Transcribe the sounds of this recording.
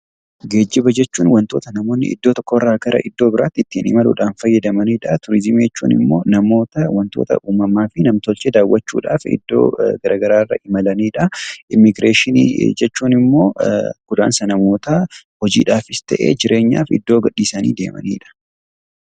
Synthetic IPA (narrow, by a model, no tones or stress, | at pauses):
ɡe̞ːd͡ʒːɪbɐd͡ʒɛt͡ʃːuːnwɐnt̪o̞ːt̪ɐnɐmo̞ːnːɪ̰ʔɪ̰d̪ːo̞ːt̪ɔkːɔɪrːaːɡɐɾʔɐ̰ʔɪd̪ːo̞ːbɪɾaːt̪ːɪt̪ːiːnɪmɐlʊ̰ᶑaːnfɐjːɐd̪ɐmɐniːᶑɐt̪ʊɾɪzɪmiɛt͡ʃːṵːnɪ̰mːo̞ːnɐmo̞ːt̪ɐwɐnt̪o̞̰ːt̪ɐ̰ʔuːmɐmaːfɪnɐmt̪ɔlt͡ʃed̪aːwːɐt͡ʃːṵːᶑa̰ːfɪ̰d̪ːo̰ːɡɐɾʔaːɡɐɾaːrːɐ̰ʔɪmɐlɐniːᶑɐʔɪmːɪɡɾeːʃɪnḭd͡ʒɛt͡ʃːuːnɪmːo̞ːɡ̥ʊd̪a̰ːnsɐnɐmo̞ːt̪ɐhɔd͡ʒḭːᶑaːfɪst̪ɐʔe̞̰ːd͡ʒɪɾʔe̞ːɲːa̰ːfɪ̰d̪ːo̞ːɡɐɗːiːsɐnḭːd̪e̞ːmɐ̰nḭːᶑɐ̥